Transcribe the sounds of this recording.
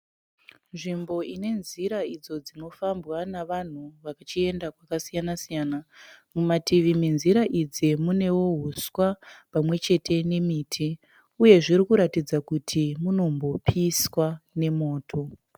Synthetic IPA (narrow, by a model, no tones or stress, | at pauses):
nʐimbo̞ine̞nziɾaid͡zo̞d͡zino̞fambwanaʋan̤uʋakat͡ʃie̞ndakwakasijanasijaːnamumatiʋiminziɾaʔid͡zimune̞wo̞ɦuswapamwe̞t͡ʃe̞tʰe̞ne̞miːtʰi | uje̞ʐiɾikuɾatid͡zakutʰimuno̞mbo̞pʰiswane̞mo̞ːtʰo̞